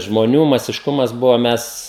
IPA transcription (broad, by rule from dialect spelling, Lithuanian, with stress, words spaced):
ʒmoːˈnʲuː mɐsʲɪʃˈkʊmɐs ˈbʊʋoː ˈmʲɛs